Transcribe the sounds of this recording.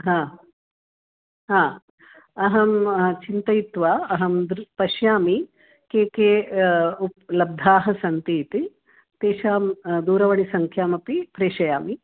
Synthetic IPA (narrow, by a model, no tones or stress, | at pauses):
ɦãː | ɦãː | ɐɦɐmt͡ʃint̪ɐjit̪ʋaːɐɦɐmd̪ɾpɐʃjaːmi | keːkeːup̚lɐb̚d̪ʱaːɦɐ̆sɐnt̪iːt̪i | t̪eːʃaːmd̪uːɾɐʋɐɳisɐŋkʰjaːmɐpipɾeːʃɐjaːmi